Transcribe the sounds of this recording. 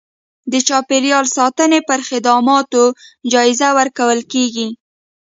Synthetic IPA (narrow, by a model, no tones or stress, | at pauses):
d̪ət͡ʃɑpeɾjɑlsɑt̪ənepəɾxɪd̪ɑmɑt̪od͡ʒɑɪzawəɾkawəlkeɡi